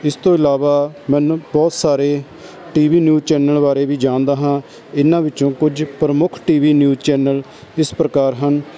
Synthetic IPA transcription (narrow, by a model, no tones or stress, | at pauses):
ɪst̪õːɪlaːʋaːmɛ̃ːnbɔːt̪saːɾeː | ʈiːʋiːnjuːzt͡ʃɛːnəlʋaːɾeːʋiːd͡ʒãːnd̪aːɦãː | ɪnãːʋɪt͡ʃõːkʊd͡ʒpɾəmʊkʰʈiːʋiːnjuːzt͡ʃɛːnəl | ɪspɾəkaːɾɦən